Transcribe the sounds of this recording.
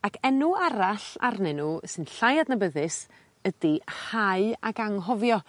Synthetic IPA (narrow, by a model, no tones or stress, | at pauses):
akʰɛnuaɾaɬa̰rnɪnusɨnɬajadnəbəðɪs | ədihaɨaɡaŋɦɔvjɔ